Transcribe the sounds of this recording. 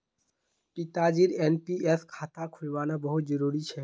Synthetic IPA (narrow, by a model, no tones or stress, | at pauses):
pit̪ad͡ʒiɾeːnpieskʰaːt̪akʰʊlʋaːnabəɦʊt̪̚d͡ʒəɾuːɾit͡ʃʰɛː